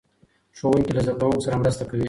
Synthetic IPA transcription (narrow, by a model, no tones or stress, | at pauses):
ʂowuŋkilazad̪awaɡsaɾamɾəst̪akawi